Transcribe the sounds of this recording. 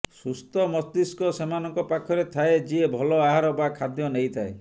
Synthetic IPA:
sust̪ɔmɔsd̪iskɔsemanɔŋkɔpakʰɔɾet̪ʰaed͡ʒiebʱɔlɔaɦaɾɔbakʰad̪jɔnejt̪ʰae

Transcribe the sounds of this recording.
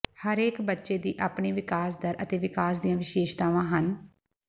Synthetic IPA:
həɾeːkbətːʃeːd̪iːʔaːpɳeːʋɪkaːsd̪əɾʔət̪eːʋɪkaːsd̪ijãːʋɪʃeːʃt̪aːʋãːɦən

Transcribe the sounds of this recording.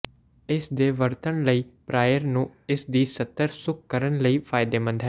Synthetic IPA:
ɪsd̪eːʋəɾt̪əɳləiːpɾaːjəɾnũːɪsd̪iːsət̪ːəɾsʊk̚kəɾəɳləiːpʰaːjd̪eːmə̃nd̪ɦɛː

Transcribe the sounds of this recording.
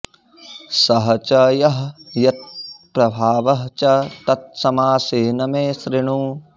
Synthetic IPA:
sɐɦɐt͡ʃɐjɐɦjɐt̪̚pɾɐbʱaːʋɐɦt͡ʃɐt̪ɐt̪̚sɐmaːseːnɐmeːʃɾɪɳ̃uː

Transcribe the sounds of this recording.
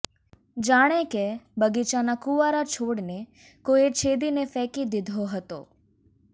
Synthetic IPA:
d͡ʒaːɽ̃ekebəɡit͡ʃanakuʋaɾat͡ʃʰoːɽne | koet͡ʃʰed̪inefɛːkid̪ɪd̪ʱoɦət̪o̰ː

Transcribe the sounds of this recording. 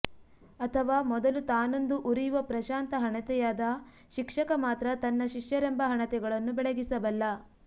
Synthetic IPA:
ɐt̪ʰɐʋaːmɔd̪ɐlut̪aːnond̪uʔuɾijuʋɐpɾɐʃaːnt̪ɐɦɐɳɐt̪ɛjaːd̪ɐ | ʃikʂɐkɐmaːt̪ɾɐt̪ɐnːɐʃiʂjɐɾɛmbɐɦɐɳɐt̪ɛɡɐɭɐnːubɛɭeɡisɐʋɐlːɐ

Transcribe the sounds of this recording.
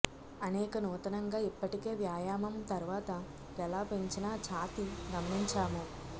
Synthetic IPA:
ɐnɛːkɐnuːt̪ɐnɐŋɡaːipːɐʈike̞ːʋjaːjaːmɐmt̪ɐɾuʋaːt̪ɐ | kɛlaːpeɲt͡ʃinat͡ʃaːt̪iɡ̪ɐmːiɲt͡ʃaːmu

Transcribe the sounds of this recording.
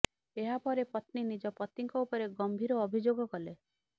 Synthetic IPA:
eɦapɔɾepɔt̪ninid͡ʒɔpɔt̪iŋkɔupɔɾeɡɔmbʱiɾɔːbʱid͡ʒoɡɔkɔle

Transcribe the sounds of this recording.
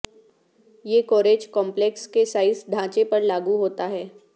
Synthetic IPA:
jeːkoːɾeːd͡ʒkɔ̃ːmplekskesaːɪsd̪ʱãːt͡ʃepɐɾlaːɡuɦoːt̪aɦɛː

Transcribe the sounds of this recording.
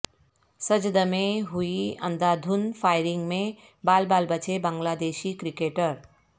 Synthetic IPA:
səd͡ʒd̪əmeɦuiə̰nd̪aːd̪ʱunpʰaːɪɾɪŋɡmẽ | baːlbaːlbət͡ʃʰebãŋɡlaːd̪eːʃikɾikeːʈəɾ

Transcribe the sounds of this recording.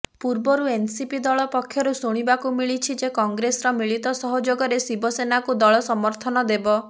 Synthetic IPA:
puɾbɔɾuensipid̪ɔɭɔpɔkʰjɔɾusuɽ̃ibakumiɭit͡ʃʰid͡ʒekɔŋɡɾesɔɾɔmiɭit̪ɔsɔɦɔd͡ʒoɡɔɾesibɔsenakud̪ɔɭɔsɔmɔɾt̪ʰɔnɔd̪ebɔ

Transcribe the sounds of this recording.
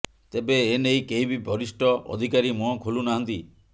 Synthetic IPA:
t̪ebeenejkeɦibibɔɾisʈɔɔ̰d̪ʱikaɾimɔɔkʰolunaɦɔnt̪i

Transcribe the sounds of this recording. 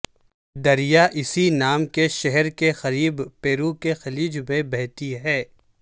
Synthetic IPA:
d̪ɐɾijaʔɪsinaːmkeʃɛɦɛɾkexɐɾiːbpeːɾukexɐliːd͡ʒmẽbɛɦt̪iɦɛː

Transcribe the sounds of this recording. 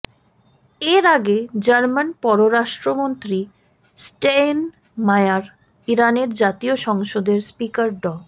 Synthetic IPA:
eɾaɡed͡ʑaɾmanpɔɾoɾaʃʈɾomont̪ɾi | sʈen | majaɾ | iɾaneɾd͡ʑat̪ioʃɔŋʃod̪eɾspikaɾɖɔ

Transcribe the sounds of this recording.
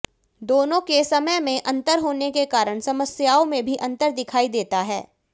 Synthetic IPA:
d̪oːnõkesɐməjmẽʔɐ̃nt̪əɾɦoːnekekaːɾəɽ̃sɐməsjaːõmẽbʱiʔɐ̃nt̪əɾd̪ɪkʰaːid̪eːt̪aɦɛ̰ː

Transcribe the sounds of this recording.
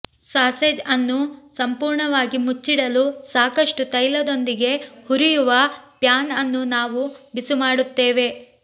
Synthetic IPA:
saːsed͡ʒɐnːusɐmpuːɾɳɐʋaːɡimut͡ʃːiɽɐlusaːkɐʂʈut̪ɐjlɐd̪o̞nd̪iɡe̞huɾijuʋɐpjaːnɐnːunaːʋubisumaːɽut̪ːeːʋe̞

